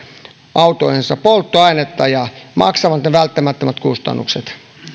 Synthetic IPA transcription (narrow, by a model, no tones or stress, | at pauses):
ʔɑut̪oihensɑpolt̪ːoɑinet̪ːɑjɑmɑ̰ksɑmɑt̪neʋælt̪ːæmæt̪ːæmæt̪kust̪ɑ̰nːṵkset̪